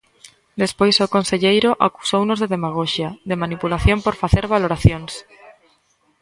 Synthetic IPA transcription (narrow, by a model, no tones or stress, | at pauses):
d̪espojsokonseʎejɾʊʔa̰ku̥sownozðeðemaɣ̞oʃjaðemanipulaθjompoɾfaθeɾβaloɾaθjoŋs